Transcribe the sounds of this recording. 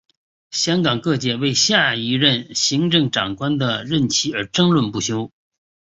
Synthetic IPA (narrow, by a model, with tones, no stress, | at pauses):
ɕjɑ˥ŋkɑ˨˩ŋkɤ˥˧t͡ɕjɛ˥˧we˥˧ɪɕja˥˩i˧˥ɻə˥˩nɕi˧˥ŋʈ͡ʂɤ˥˩ŋʈ͡ʂɑ˨˩ŋkwa˥nd̪ə˨ɻə˥˩nt͡ɕʰi˧˥ə˞˧˥ʈ͡ʂɤ˥ŋlwə˥˧npu˥˩ɕjo˥ʊ